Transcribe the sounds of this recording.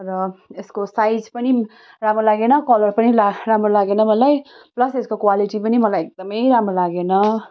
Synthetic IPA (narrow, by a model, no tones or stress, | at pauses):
ɾʌeskosajd͡zpʌni | ramolaɡenʌkʌlʌrpʌnilaramrolaɡenʌmʌlaj | plʌseskokwaliʈipʌnimʌlajek̚d̪ʌmʌjɾamɾolaɡenʌ